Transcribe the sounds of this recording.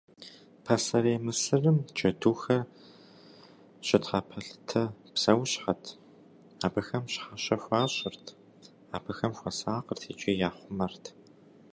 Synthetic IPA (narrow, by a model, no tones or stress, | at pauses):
pʰɐsɐɾeːmɨsɨrɨmt͡ʃʼɐduːxɐr | ɕʼɪtʰχapʰɐɬtʰɐpsɐwɕħatʰ | aːbɐxɐmɕħaɕɐxʷɑːɕʼɪrtʰ | aːbɐxɐmxʷɐsaːqərtʰeːt͡ʃʼijaːχʷʊmɐrtʰ